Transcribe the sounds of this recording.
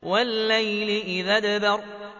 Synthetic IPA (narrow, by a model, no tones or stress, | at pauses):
walːajlɪʔɪðad̪abɑɾˤ